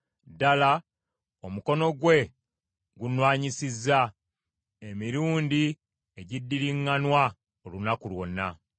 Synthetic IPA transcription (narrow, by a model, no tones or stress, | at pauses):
dala | omuko̞no̞ɡwe̞ | ɡunwaːɲisizːa | e̞miɾuːndi | eɟidːiɾiŋːanwa | olunakulwo̞nːa